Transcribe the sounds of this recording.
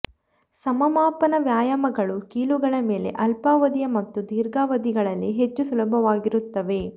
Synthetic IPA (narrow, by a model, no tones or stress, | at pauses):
sɐmɐmaːpɐnɐʋjaːjɐmɐɡɐɭukiːluɡɐɭɐme̞ːle̞̰ʔɐlpaːʋɐd̪ijɐmɐt̪ːud̪iːɾɡaːʋɐd̪iɡɐɭɐlːiɦet͡ʃːusulɐbʱɐʋaːɡiɾut̪ːɐʋe̞